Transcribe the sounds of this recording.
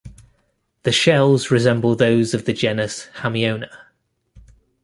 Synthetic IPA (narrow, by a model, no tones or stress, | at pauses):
ðəʃɛlˠzɹɪzɛ̃mbəlˠðəʊzəvðəd͡ʒɛnəshamiə̃ʊ̃nə